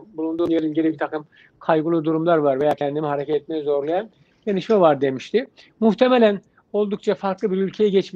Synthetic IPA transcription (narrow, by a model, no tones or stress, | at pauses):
bulˠund̪uːnjeɾilʲɟilʲibit̪ʰakɯm | kʰajɡɯlˠud̪uɾumlˠaɾvaɾve̞jaːcʰɛnd̪imiɦaɾecʰɛt̪ɛt̪̚mejɛzo̞ɾlˠajan | ɟeniʃmɛvaɾd̪e̞miʃt̪ʰɪ | muht̪ʰe̞melʲæn | o̞lˠd̪uk̚t͡ʃʰafaɾklˠɯbiɾylʲcʰe̞jɛɟɛt͡ʃm